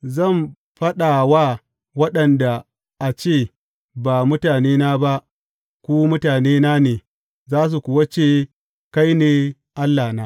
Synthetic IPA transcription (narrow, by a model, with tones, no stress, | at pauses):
zɐ˦˨m | ɸɐ˦ɗa˨waː˦ | wɐ˦ɗɐ˨nda˨ | ʔa˨t͡ʃeː˦˨ | ba˨mʊ˦taː˨neː˦na˦ba˦ʔ | kʷuː˦mʊ˦taː˨neː˦na˦neː˨ | zaː˦s̬u˨kʷʊ˨wa˦t͡ʃeː˦ | ka˦jneː˨ | ʔa˦lːaː˨naː˦